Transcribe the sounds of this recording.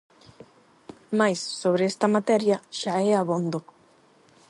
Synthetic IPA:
majsːoβ̞ɾeɛst̪ɐmat̪ɛɾjɐʃaɛaβond̪o

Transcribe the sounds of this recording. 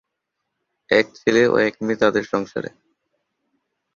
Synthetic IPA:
ɛk̚t͡ɕʰeleo̰ɛk̚mit̪ad̪eɾʃɔŋʃa̰ɾḛ

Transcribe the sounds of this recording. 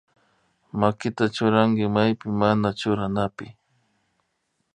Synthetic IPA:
makɪt̪at͡ʃʊɾaŋɡɪmajpɪmanat͡ʃʊɾanapɪ

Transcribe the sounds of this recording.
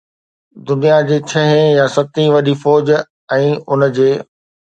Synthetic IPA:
d̪ʊnijad͡ʑeːt͡ɕʰɐɦẽjasɐt̪ĩʋɐɗifɔːd͡ʑ | ɛ̃ːʊnə̆d͡ʑeː

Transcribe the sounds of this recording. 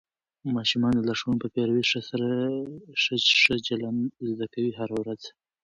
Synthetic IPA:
mɑʃumɑnd̪əlaʂunpəpeɾawiʂəsaɾaʂəʂəd͡ʒalanzd̪akawiɦaɾawɾaz̥

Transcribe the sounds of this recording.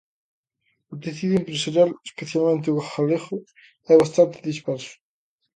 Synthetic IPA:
ot̪eθiðuempɾesaɾjalespeθjalmẽnt̪̬ɪuɣaxalexʊ | ɛβast̪ant̪eðispɛɾsʊ̥

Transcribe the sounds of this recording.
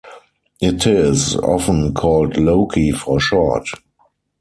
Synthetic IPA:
ɪtʰɪzɔ̰fə̃nkʰɔːltloʊkʰifɔʃɔt

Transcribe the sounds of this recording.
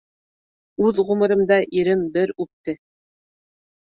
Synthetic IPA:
ʉðʁumɤ̆ɾɤ̆md̪ɑʔiɾɘmbɘɾʉp̚t̪ɘ

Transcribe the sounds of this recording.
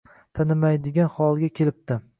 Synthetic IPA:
t̪ʰanɪmajd̪ɪɡʲanχɒlˠɡʲakʲʰelɪp̚t̪ɪ

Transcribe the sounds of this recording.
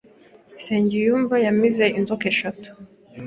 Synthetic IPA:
sɛɲɟijuɱvajamizɛinzɔkɛʃɔtu̥

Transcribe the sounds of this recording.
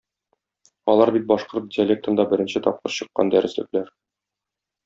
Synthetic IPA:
ɒlˠɑɾbit̪̚bɒʃqoɾt̪̚dʲɪɐlʲek̚t̪ə̆nd̪ɑbɘ̆ɾɘ̆nɕɘt̪ɒp̚qɤ̰ɾɕɤ̆qːɑ̰nd̪æɾʔɘ̆slɘ̆klæɾ

